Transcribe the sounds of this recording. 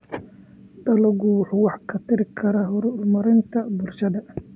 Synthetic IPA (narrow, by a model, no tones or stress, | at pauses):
d̪ɐlɐɡuwħuwɑħkʰɐt̪ʰɪɾɪkʰɐɾaɦʊɾʊlmɐɾɪnt̪ʰɐbʊlʃɐðɐ